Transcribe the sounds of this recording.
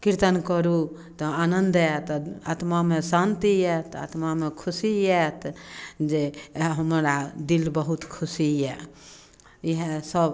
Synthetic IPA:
kiɾt̪ənkəɾu | t̪ɔanənd̪ɛt̪ɔat̪mamẽsant̪iɛt̪ʰa̰t̪mamekʰusiɛt̪ʰd͡ʒeɦəmɾad̪ilbəɦut̪kʰusijɛ | iɦesəb

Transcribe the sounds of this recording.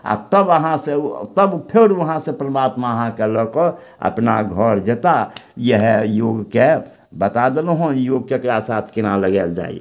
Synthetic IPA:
a̰t̪əbəɦãset̪əbpʰeɾʋəɦãsepɾəmaːt̪maəɦãkelɔko | ə̰pna̰ɡʱɔɾd͡ʒet̪ajəɦjoːɡke | bət̪ad̪elɦonjoɡ̚kekɾasaːt̪ʰkɪnaləɡeld͡ʒa̰ːḭ

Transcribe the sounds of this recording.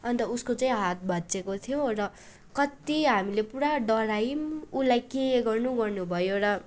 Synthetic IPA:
ʌnt̪ʌuskot͡saĩɦat̪̚bʱʌt͡sekot̪ʰijorʌ | kʌt̪iɦamilepuɽaɖʌɾajmulajkeɡʌrnuɡʌrnubʱʌjoɾʌ

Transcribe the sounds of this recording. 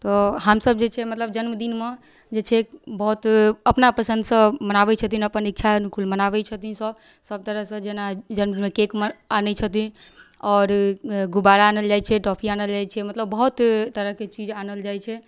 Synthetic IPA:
t̪ɔɦəmsəb̚d͡ʒet͡ʃʰɛmət̪ləb̚d͡ʒənmd̪inme | d͡ʒet͡ʃʰɛbəɦut̪əpnapəsə̃nd̪sə̃mənabɛt͡ʃʰət̪inəpənik̚t͡ʃʰankʰulmənaʋɛt͡ʃʰət̪insə̃ | səb̚t̪əɾəɦsə̃d͡ʒenad͡ʒənmd̪inmekekməanɛt͡ʃʰət̪iɔːɾɡubaɾaːnəld͡ʒajt͡ʃʰɛʈɔpʰianəld͡ʒajt͡ʃʰɛmət̪ləbːəɦut̪t̪əɾəɦket͡ʃid͡ʒanəld͡ʒajt͡ʃʰɛ

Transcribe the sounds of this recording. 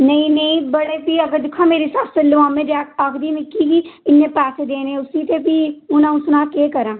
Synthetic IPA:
nəĩːnəĩbəɽeːpiəɡəɾd̪ɪkʰːãːmeːɾesaːsʰt̪elɪʋãːmẽːɖɛːkʰakd̪iːmɪkːikiːɪnːẽːpɛːseːd̪eːnẽːʊsiːt̪epiːʊnãːʊsnaːkeːkəɾãː

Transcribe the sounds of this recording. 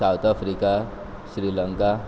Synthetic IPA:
awt̪ʰapʰɾika | sɾilʌŋka

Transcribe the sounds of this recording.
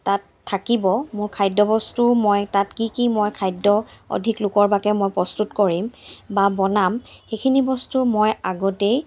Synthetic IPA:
tatʰːakibɔmʊɹkʰajdɔbɔstumɔjtatkikimojkʰajdːɔɔ̰dʱiklʊkɔɹbakɛmɔjpɹɔstutkɔɹimbabɔnamxekʰinibɔstumojaɡɔtej

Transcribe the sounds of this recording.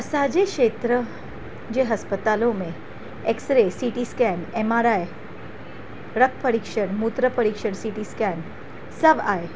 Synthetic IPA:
saːd͡ʒekʃeːt̪ɾə | d͡ʒeɦɐspət̪aːlõmẽ | eksɾesiːʈiskɛːneːmaːɾaːje | ɾək̚ʰpɐɾikʃəɽmut̪ɾəpɐɾikʃəɽsiʈiskɛːn | sɐbaːe

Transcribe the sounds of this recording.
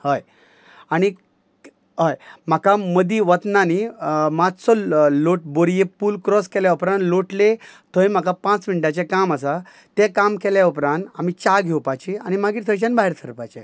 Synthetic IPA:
həj | aɽ̃i | ɦəjm̤akaməd̪iʋət̪nanimad͡zsɔloʈ̚boɾjepuːlkɾɔskeljaupɾãnt̪loʈlet̪ʰojm̤akapãt͡smiɳʈjat͡ɕẽkaməsa | t̪ẽkamkeljaupɾãnt̪am̤it͡ɕaɡʱewpat͡ɕia̰ñimaɡiːt̪ʰəjt͡ɕanbaɦiɾt̪ʰəɾpat͡ɕe

